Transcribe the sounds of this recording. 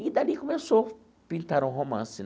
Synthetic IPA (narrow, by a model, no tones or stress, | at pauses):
id̪alikomeso | pĩnt̪aɾũɦomɐ̰̃sɪn